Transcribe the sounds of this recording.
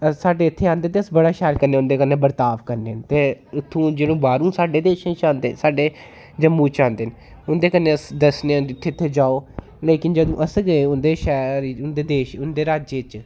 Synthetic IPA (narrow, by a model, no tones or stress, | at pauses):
əsaːɖeːɪt̪ʰːeːãːnd̪eːt̪eːəsbəɽaːʃɛːlkəɾnẽːʊ̃nd̪eːkənːeːbəɾt̪aːʋkəɾneːnt̪eːʊt̪ʰːũːd͡ʒeːɽõːbaːɾũːsaːɖeːd̪eːʃẽːt͡ʃãːnd̪ḛːsaːɖeː | d͡ʒəmːuːt͡ʃãːnd̪eːn | ʊnd̪eːkənːeːəsd̪əsneːɪt̪ʰːeːt̪ʰːeːd͡ʒaːoː | leːkɪnd͡ʒəd̪õːʔəsɡəeːʊnd̪eːʃɛːɾiʊnd̪eːd̪eːʃʊnd̪eːɾaːd͡ʒeːt͡ʃ